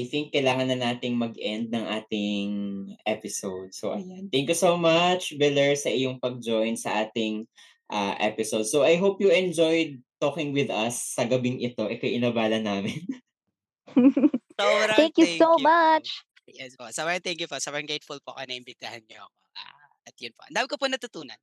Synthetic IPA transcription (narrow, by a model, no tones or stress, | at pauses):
ʔajθɪŋkːɐjlaːŋɐnːɐnaːt̪ɪŋmɐɡʔɛnd̪̚nɐŋʔaːt̪ɪŋʔɛpɪsowd̪̚soʔɐjant̪ɛŋkjusowmɐt͡ʃbɪlɛɹsɐʔɪjoŋpɐɡ̚d͡ʒojnsɐʔaːt̪ɪŋ | ʔaʔɛ̰pɪsowd̪̚sowʔɐjɦowpjuɛnd͡ʒojd̪̚t̪oːkɪŋwɪd̪ɐsːɐɡɐbɪŋɪt̪o̞ʔɛkojʔɪnɐbaːlɐnaːmɪn | soɾɐɛŋkjuomat͡ʃ | jɛsposɐbt̪ɛŋkjupoʔsɐbɾɐŋɡejt̪fʊlpoɐkonɐʔɪmbɪt̪ɐhanɲoʔɐk̚o̰ʔa̰ | ɐt̪jʊnpoʔɐ̰nd̪aːmɪkoponɐt̪ʊt̪uːnɐ̰n